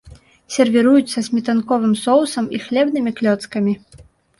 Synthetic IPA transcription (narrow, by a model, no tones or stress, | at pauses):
sʲɛrvʲɛɾujut̪sːɐzʲmʲit̪ankɔvɨmsɔwsɐmixlʲɛbnɨmʲiklʲɔt̪skɐmʲi